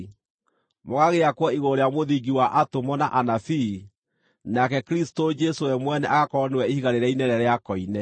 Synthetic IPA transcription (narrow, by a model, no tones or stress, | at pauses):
moɣaɣeakwɔiɣoɾeamoðiɡiwaʔatomɔnaʔanafi | nakɛkɾistod͡ʒɛsowɛmwɛnɛʔaɣakɔnewɛihiɣaɾeɾɛinɛɾɛɾeakɔinɛ